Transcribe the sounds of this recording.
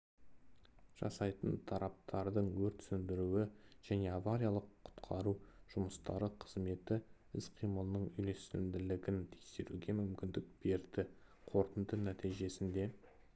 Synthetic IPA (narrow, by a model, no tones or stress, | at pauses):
ʒ̥ɑ̰sɑjt̪ənt̪ʰɑɾɑp̚t̪ʰɑɾd̪əɴwɵɾt̪sʏnd̪ɪɾuwɪʒ̥æne̞avaɾijalˠəqʰːʊ̥t̪qʰɑɾuʒ̥ʊməst̪ɑɾəqʰəzme̞t̪ɪ | ɪzqʰijməlˠnəɴʏjle̞st̪ɪnd̪ɪlɪɡʲɪnt̪ʰe̞kse̞ɾuɡʲe̞mʏmkʲɪnd̪ɪk̚b̥e̞ɾd̪ɪ | qʰo̞ɾt̪ənd̪ənæt̪ijʒe̞sɪnd̪e̞